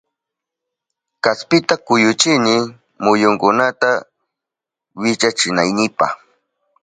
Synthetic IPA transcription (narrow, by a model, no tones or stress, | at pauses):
kaspɪt̪akʊjʊt͡ʃɪnɪ | mʊjʊŋkʊnat̪a | wɪt͡ʃat͡ʃɪnajnɪpa̰χ